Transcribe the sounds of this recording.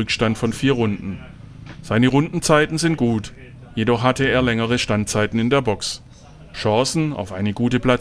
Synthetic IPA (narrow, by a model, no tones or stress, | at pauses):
ʏkʃtantfɔnfiːɐʁʊndn̩ | z̥aɪnəʁʊndn̩t͡saɪtn̩zɪnt̚ɡ̥uːt | jedɔχɦatəeːɐlɛŋəʁ̞əʃtant̚t͡saɪtn̩ɪndeːɐbɔks | ʃɑ̃ːsn̩a̰ʊfʔaɪnəɡuːtəpl̥a